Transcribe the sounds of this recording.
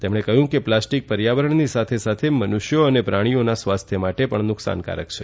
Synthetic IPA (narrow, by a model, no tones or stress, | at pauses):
t̪emɽ̃ekəɦjũkeplasʈik̚pəɾjaʋəɾəɳnisat̪ʰesat̪ʰemənuʃjoənepɾaɽ̃ionasʋast̪ʰjəmaʈepəɳnʊksa̰nka̰ɾə̰k̚t͡ʃʰe